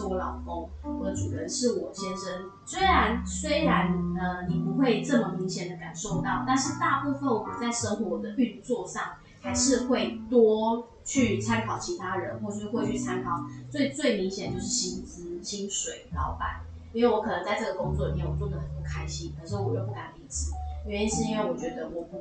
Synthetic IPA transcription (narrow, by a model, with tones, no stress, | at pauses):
ɔ˧˦lɑ˨˩ʊko˥ŋ | wɔ˥˩˧ʈ͡ʂu˨˩ɻə˧˦nʂɻ̩˥˩wɔ˨˩ɕjɛ˥nʂə˧˥n | swe˥ɪɻa˧˦˥nswe˥ɪɻa˧˦nə˨˧ni˨˩pu˧˦xwe˥˧ɪʈ͡ʂə˥˩mə˩mi˨˧˥ŋɕjɛ˨˩nd̪ə˦ka̰˨˩nʂo˥˧ʊt̪ɑ˥˨˩ʊt̪a˥˧nʂɻ̩˥˧t̪a˥˧pu˥˧fə˥˩nwɔ˨˩t͡sa˥˩ɪʂə˥ŋxwɔ˧˥d̪ə˧ʔy˥˧nt͡swɔ˥˧ʂɑ˥˨˩ŋ | xa˧˥ɪʂɻ̩˥˧xwe˥˩ɪt̪wɔ˥ | t͡ɕʰy˥˩t͡sʰa˥nkʰɑ˨˩ʊt͡ɕʰi˧˥t̪ʰa˥ɻə˧˦nxwɔ˥˩ə˩˥ʂ̩˥we˥˧ɪt͡ɕʰy˥˩t͡sʰa˦nkʰɑ˨˩ʊt͡swe˥˩ɪt͡swe˥˩ɪmi˧˥ŋɕjɛ˨˩nət͡ɕjo˥˧ʊʂɻ̩˥˩ɕi˥nt͡sɹ̩˧˥ɕi˥nʂwe˨˩ɪlɑ̰˥˧˩ʊpa̰˨˩˦n | i˥nwe˥˩ɪwɔ˧˦˥kʰɤ˨˩nə˧˦ŋt͡sa˥˧ɪʈ͡ʂɤ˥˩ɡə˩ko˥ŋt͡swɔ˥˩li˨˩mʰjɛ˧˩nwɔ˨˩t͡swd̪ə˩hə˨˦no˥˩kʰa˦˥ɪɕi˦nk̪ʰə˨˩˨ʂo˥˩wɔ˨˩ə˧˥˩pu˥˩ka˨˩ni˥˧˩t͡s̩˨˩˥i˥˧˩ʂɻ̩˥˩i˥nwe˥˩ɪwɔ˨˩t͡ɕɥɛ˧˥d̪ə˧wɔ˨˩˧